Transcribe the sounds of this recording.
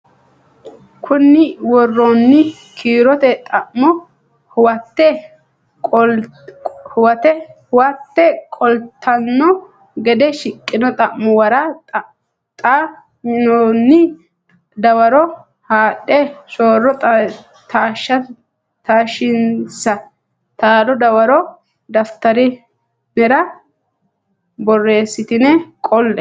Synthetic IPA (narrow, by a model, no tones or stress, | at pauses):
kʰʊnːɪwɔrːonːɪ | kʰiːɾɔt̪ɛt̪ʼɐʔmɔ | hʊwɐt̪ːɛ | hʊwɐt̪ɛhʊwɐt̪ːɛkʼɔlt̪ʰːɐnːɔ | ɡɛd̪ɛʃɪkʼːɪnɔt̪ʼɐʔmːɔwɐɾɐt | t̪ʼa | mɪnɔnːɪ | d̪ɐwɐɾɔ | haːɗɛsoːrːɔ | t̪aːʃːɐ | t̪aːʃɪnsɐ | t̪aːɾɔd̪ɐwɐɾɔ | d̪ɐft̪ːɐɾɪ | nɛɾɐ | bɔrːe̞ːsːɪt̪ɪnɛkʼɔlːɛ